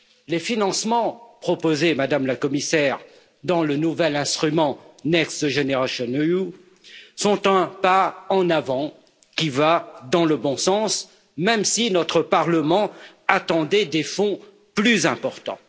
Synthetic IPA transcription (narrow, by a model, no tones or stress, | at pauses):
lefinɑ̃smɑ̃pχɔpozemad̪amlakɔmisɛʁ | d̪ɑ̃lənuvɛlɛ̃st̪χymɑ̃nɛksʒeneʁasjɔnu | sɔ̃t̪ɛ̃paɑ̃navɑ̃ | kʲivad̪ɑ̃ləbɔ̃sɑ̃s | mɛmsinɔt̪χəpaʁləmɑ̃ | at̪ɑ̃d̪ɛd̪efɔ̃ | plyzɛ̃pɔʁt̪ɑ̰̃